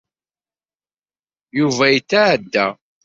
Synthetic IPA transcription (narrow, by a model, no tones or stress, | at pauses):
juvæjit͡sːaʕd̪ːæ̰